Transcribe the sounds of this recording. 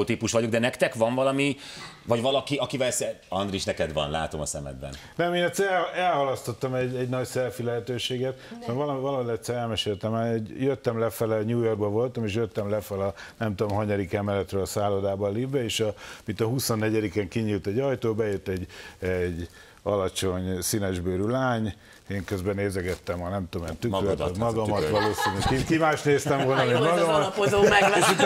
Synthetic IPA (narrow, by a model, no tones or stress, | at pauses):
ot̪iːpuʃʋɒɟoɡd̪ɛnɛkt̪ɛkʋɒɱvɒlɒmi | vɒɟʋɒlɒkiɒkivɛlsɛ | ɒnd̪riʃnɛkɛd̪ʋɒ̰nla̰ːt̪o̞̰mɒ̰sɛ̰mɛ̰d̪̚bɛ̰n | nɛmeːnɛt̪sɛɾɛɛlhɒlɒst̪ot̪ːɒmɛɟɛɟnɒɟsɛlfilɛɦɛt̪øːʃeːɡɛt̪sɛːvɒlɒvɒlɒolɛt̪sɛɾɛlmɛʃeːlt̪ɛmaːoɟjøt̪ːɛmlɛfɛlɛɲuːjorɡbɛvo̞lt̪ɒmeːʃ̬jøt̪ːɛmlɛfɛlɛɒnɛmt̪uomɦɒɲɒɾikɛmɛlɛt̪ɾøːlsaːlod̪aːbɒlibɛeːʃɒmit̪ːɛɦusonːɛɟɛd̪ikɛŋkiɲiːlt̪ɛɟɒjt̪oːbɛjøt̪ːɛɟɛɟ | ɒlɒt͡ʃo̞ɲsinɛʒbøːɾylaːɲ | eːŋkøzbɛneːzɛɡɛt̪ːɛmɒnɛmt̪ooment̪yøt̪ɛmmːɒɡɒmmɒt̪ʋɒloːsinkikimaːʃt̪neːst̪ɛmvo̞lnɒmemɒɡɒmɒt̪eʃut̪